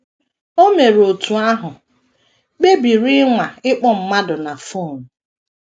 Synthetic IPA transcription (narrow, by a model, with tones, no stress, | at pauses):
o˦me˨ɾo˨tu˨a˦ɦʊ˨ | k͡pe˦bi˨ɾɪ˦ŋʷa˨ɪ˦k͡pɔ˦m̩˨ma˦dʊ˨na˨fo˦˨n̩˨